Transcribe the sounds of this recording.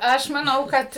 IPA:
ˈɐʃ mɐˈnɐʊ ˈkɐt

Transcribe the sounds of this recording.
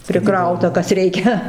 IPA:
pʲrʲɪˈkrɐʊtɐ ˈkɐs ˈrʲɛɪkʲɛ

